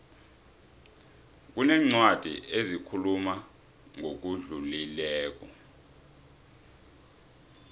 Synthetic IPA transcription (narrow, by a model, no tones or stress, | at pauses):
k̬unɛŋ͡ǀwad̥ʱḭezikʰuluma | ŋʱok̬uɮulilɛːk̬ɔ